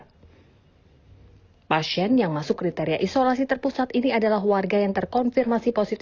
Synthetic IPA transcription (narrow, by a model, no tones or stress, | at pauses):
pasiɛnjaŋmasʊkːɾit̪eɾiaʔisolasit̪ərpusat̪iniadalaɦwarɡajaŋt̪ərkɔnfirmasiposit̪